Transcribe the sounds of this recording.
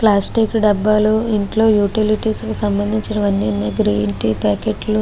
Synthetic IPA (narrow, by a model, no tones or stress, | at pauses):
plaːsʈikɖɐbːaːluiɳʈlo̞ːjuːʈiliʈiːskusɐmbɐnd̪ʱiɲt͡ʃinɐʋɐnːinːiɡɾeːɳʈipaːkeʈlu